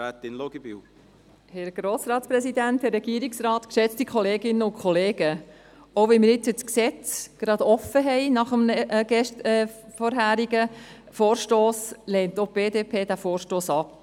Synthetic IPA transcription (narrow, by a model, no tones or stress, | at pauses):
at̪ɪnloɡ̥ibḭw | hɛɾɡ̥ɾoːsɾɑːtspɾɛsid̪ænthɛrɛɡ̥iəɾiksɾɑːt̪kʃɛt͡stikχɔleːɡɪnːəʊnkʰχɔleːɡə | oʊvɛnmɪɾɪt͡sət͡sksɛt͡sɡ̥ɾɑd̪ɔfːəɦɛɪnɑχəmɡ̥ɛʃtːfɔɾɦæːɾiɡə | foːɾʃtoːslɛːntob̥eːd̪eːpʰeːd̥æfoːɾʃtoːsɑp